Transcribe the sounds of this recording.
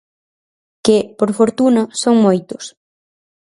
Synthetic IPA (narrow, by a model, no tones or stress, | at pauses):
kɪpoɾfoɾt̪unɐsoŋmojt̪ʊ̥s